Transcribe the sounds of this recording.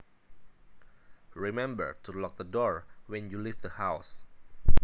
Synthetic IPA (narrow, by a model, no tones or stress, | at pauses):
ɹimɛ̃mbə̰ɹtulɔk̚d̪ədɔɹwɛ̃njulif̚d̪əhaws